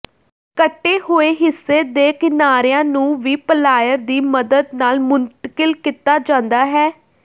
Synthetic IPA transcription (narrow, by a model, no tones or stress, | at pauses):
kəʈːeːhoːeːɦɪsːeːd̪eːkɪnaːɾjãːnũːʋiːpəlaːjəɾd̪iːməd̪əd̪naːlmʊnt̪əkɪlkɪt̪ːaːd͡ʒãːnd̪aːɦɛː